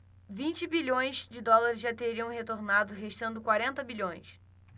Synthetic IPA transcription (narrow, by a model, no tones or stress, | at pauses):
vĩnt͡ʃɪbiʎõj̃zd͡ʒɪd̪ɔlaɾɪzʒat̪eɾiɐ̃w̃ɦet̪oɾnad̪ʊɦeʃt̪ɐ̃nd̪ʊkwaɾẽnt̪ɐbiʎõj̃s